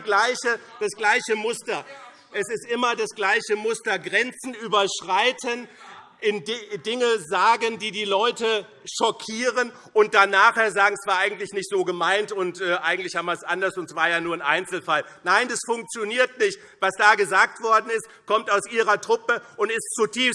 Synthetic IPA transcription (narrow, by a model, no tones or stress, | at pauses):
ɡ̥laɪçəd̥asɡ̥laɪçəmʊstɐ | ʔɛsɪstʔɪmɐdasɡ̥laɪçəmʊstɐɡʁɛnt͡sn̩yːbɐʃʁ̥aɪtʰən | ʔɪnddɪŋəzaːɡəndiːdiːlɔʏtə | ʃɔkʰiːʁən | ʔʊnt̚d̥anaːχheːɐzaːɡŋ̩sv̥aːɐʔaɪɡŋ̩tlɪçnɪçtz̥oːɡəmaɪntʊntʔɛːʔaɪɡŋtlɪçhaːmiɐsʔandɐsʊntsv̥aːɐjaːnuːɐnʔa̰ɪnt͡sl̩fal | naɪndasfʊŋkt͡sjoniːɐtnɪçt | v̥asd̥aːɡəzaːk̚tv̥ɔɐdn̩ɪstkʰɔmtaʊsʔiːʁ̞ɐtʁ̥ʊpəʔʊntɪstt͡sutʰiːfs